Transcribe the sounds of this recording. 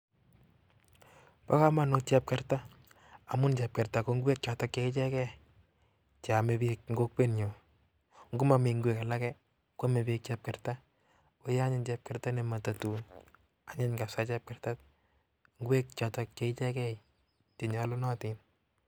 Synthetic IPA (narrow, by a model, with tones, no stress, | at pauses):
pa̰˦ka˦ma˨not͡ʃɛ˦p̚kɛ˦ɾta˦ | a˨mʊ˦nt͡ʃɛ˨p̚kɛ˨ɾta˨ko˦ŋɡu˦wɛ˦k̚t͡ʃa˨tɔ˦kt͡ʃɛ˦i˦t͡ʃɛ˦kɛ˦ | t͡ʃa˨me˨˦bi˦k̚ŋɡo˦k̚pe˦nɲo˨ | ŋɡʊ˦ma˨mɪ˨ŋɡwɛ˨ka˨la˦kɛ˦ | ka˦me˨bik̚t͡ʃɛ˦p̚kɛ˨ɾta˦ | o˦ja˦ɲɪ˦nt͡ʃɛ˧p̚kɛ˨ɾta˦ne˨ma˨ta˨tu˨n | a˨ɲɛ˦ɲka˨sa˦t͡ʃɛ˦p̚kɛ˨rta˦t̚ | ŋɡu˦wɛ˦k̚t͡ʃa˨tɔ˦k̚t͡ʃɛ˨i˦t͡ʃɛ˦kɛ˦ | t͡ʃe˨ɲɔ˨lɔ˦nɔ˦tɪ˨n